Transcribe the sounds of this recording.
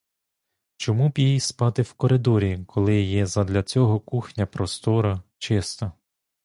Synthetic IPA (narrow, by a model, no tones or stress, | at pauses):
t͡ʃɔmubʲjijspɑt̪ɪwkɔɾɪd̪ɔɾʲikʰɔlˠɪjɛzɐd̪lʲɐt͡sʲɔɦɔkuxnʲɐpɾɔst̪ɔɾɐt͡ʃɪst̪ɐ